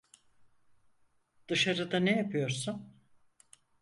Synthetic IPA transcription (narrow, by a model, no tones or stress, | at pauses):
d̪̥ɯʃaɾɯd̪anejapʰɯjo̞ɾsun